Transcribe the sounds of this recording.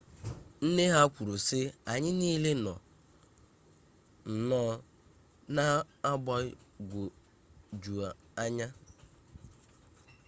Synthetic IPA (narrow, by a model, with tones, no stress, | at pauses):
n̩˦ne˦ɦa˦kʷu˨ɾu˨sɪ˦a˨ɲɪ˦niː˦le˦nɔ̰˨ | n̩˨nɔː˦ | na˦a˦bɔ˦ɪ˦ɡʷo˨ | d͡ʒu˨a˨ | a˦ɲa˦